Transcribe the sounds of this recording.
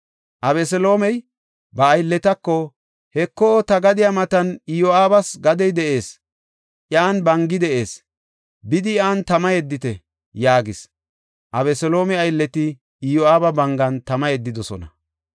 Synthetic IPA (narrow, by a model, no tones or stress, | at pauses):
ʔɐbɛsɛlo̞ːmɛj | bɐːjlːɛt̪ɐkːɔ | hɛkːot̪ɐɡɐd̪ɪjamɐt̪ɐnɪjoaːbɐsɡɐd̪ɛjd̪ɛʔe̞ːs | ʔjaːnbɐŋɡɪd̪ɛʔe̞ːs | bɪd̪ɪaːnt̪ɐmɐjɛd̪ːɪt̪ɛ | jaːɡɪs | ʔɐβɛsɛlo̞ːmɛɐjlːɛt̪ɪ | ɪjoaːbɐbɐŋɡɐnt̪ɐmɐjɛd̪ːɪd̪ɔsɔ̰nɐ̰